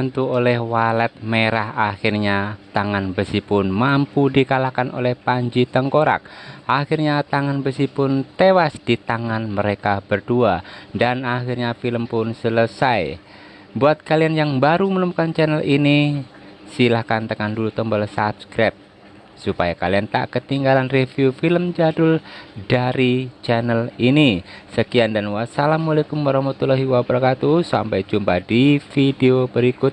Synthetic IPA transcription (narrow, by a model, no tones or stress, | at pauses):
nt̪uolɛhwalɛt̪̚meɾahaxirɲat̪aŋanbəsipʊnmampudikalakano̰lɛhpaɲd͡ʒit̪əŋkoɾa̰k̚ʔaxirɲat̪aŋanbəsipʊnt̪ewasd̥it̪aŋanməɾekabərduadanaxirɲafiləmpʊnsələsaj | buat̪̚kalianjaŋbaɾumənumkant͡ʃɛnəlini | silahkant̪əkandulut̪əmbɔlsapskɾap̚ | supajakaliant̪a̰ʔkət̪iŋɡalanrefjufiləmd͡ʒadʊldaɾit͡ʃɛnəlinisəkiandanwasalamːulajkʊmːaɾahmat̪ulaɦiwabɾakat̪usa̰mpajd͡ʒumpadifideobəɾikʊt̪̚